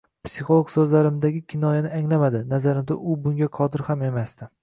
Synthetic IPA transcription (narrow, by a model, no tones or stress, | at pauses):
psiχolˠoɡsɵzlaɾɪmd̪aɡʲɪkʲʰɪnɒjanɪaŋlamad̪ɪnazaɾɪmd̪aʔʊbʊŋɡʲaqʰɒd̪ɪɾhame̞mast̪ɪ